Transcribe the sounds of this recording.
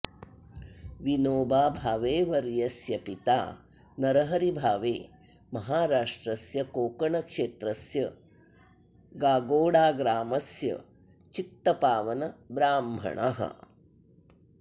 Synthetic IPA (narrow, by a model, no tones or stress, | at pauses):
ʋinoːbaːbʱaːʋeːʋɐɾjɐsjɐpit̪a̰ː | nɐɾɐɦɐɾibʱaːʋeː | mɐɦaːɾaːʂʈɾɐsjɐkoːkɐɳɐkʂeːt̪ɾɐsjɐ | ɡaːɡoːɽaːɡɾaːmɐsjɐ̰ | t͡ʃit̪ːɐpaːʋɐnɐbɾaːmbʱɐ̰ɳʔɐ̰ɦɐ̰